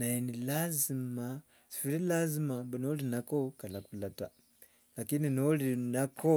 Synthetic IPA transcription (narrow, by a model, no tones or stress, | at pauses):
najinilazima | si̥fiɾilazimambunolinakokalakulata̰ | lakininolinakɔ